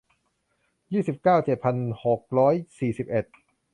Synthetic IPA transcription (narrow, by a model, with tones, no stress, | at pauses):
jiː˥˩si˨˩p̚kaː˥˩wt͡ɕe˨˩t̪̚pʰa˧nho˨˩k̚ɾɔː˦˥jsiː˨˩si˨˩p̚ʔe˨˩t̪̚